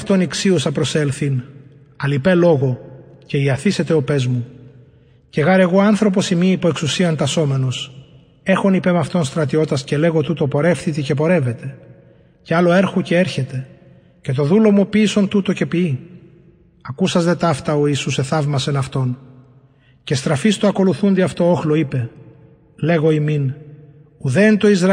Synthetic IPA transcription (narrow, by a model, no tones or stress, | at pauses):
ft̪o̞niksiosɐpɾo̞se̞lθin | ɐlipe̞lo̞ɣo̞ce̞iɐθise̞t̪e̞ope̞zmu | ce̞ɣɐɾe̞ɣo̞ɐnθɾo̞p̬o̞simiːpueksusiɐnt̪ɐso̞me̞no̞s | e̞xo̞nipe̞mɐft̪o̞nst̪ɾɐt̪io̞t̪ɐsce̞le̞ɣo̞t̪ut̪o̞po̞ɾe̞fθit̪ice̞p̬o̞ɾe̞ve̞t̪e̞ | cealo̞e̞ɾxocee̞ɾçe̞t̪e̞ | ce̞t̪o̞ðulo̞mupiso̞nt̪ut̪o̞ce̞pii | ɐkusɐzðe̞t̪ɐft̪ɐo̞isuse̞θɐvmɐse̞nɐft̪o̞n | ce̞st̪ɾɐfist̪uɐko̞luθund̪iɐft̪o̞oxlo̞ipe̞ | le̞ɣo̞imin | uðe̞ːnt̪o̞izɾ